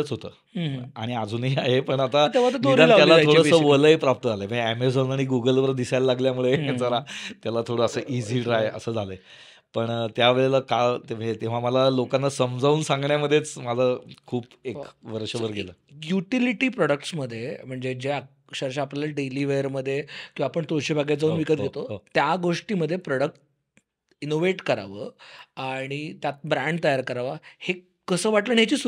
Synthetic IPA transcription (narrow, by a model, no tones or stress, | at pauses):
ət͡sɦot̪ə̰ː | aɽ̃iad͡zuːniaɦepəɳat̪at̪eʋaəd̪iɾalajalat̪ʰoɽəəʋələepɾap̚t̪əd͡zʱaləməɡæmed͡zonaɽ̃iɡuɡəlʋəɾd̪isajlaːaɡljamuɭet͡səɾat̪jalat̪ʰoɽəəsəːʔid͡ziːʈɾajə̰səːd͡zʱale | pəɳt̪jaʋeɭeləkat̪əd͡zet̪eʋ̤aməlalokãnːasəmd͡zauːnsãŋɡɳjaməd̪ʱjet͡smad͡zakʰuːpekʋəɾɕəbəɾɡelə̰juʈiliʈiːpɾɔɽək̚ʈsməd̪ʱːjem̤əɳd͡zed͡ʑea | ɕəɾɕ̬aːpljaləɖeliʋeəɾməd̪ʱːjekĩʋaːpəɳt̪oɕebʱaɡjad͡zaunʋikət̪̚ɡʱet̪ot̪jaɡoʂʈiːməd̪ʱːjepɾɔɽək̚ʈ̚ | inoʋeʈkəɾa̰ʋəaɽ̃it̪jat̪̚bɾãɳɖ̚t̪əjaɾkəɾaʋahe | kəsəːʋaʈləːɳɦet͡ɕiːs